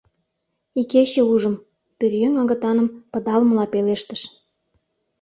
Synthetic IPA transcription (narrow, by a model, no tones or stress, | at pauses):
ikeɕĕuʒə̆m | pyrjøŋɑɣə̆t̪ɑnə̆mpə̆d̪ɑlməlɑpeleʃt̪ə̥ʃ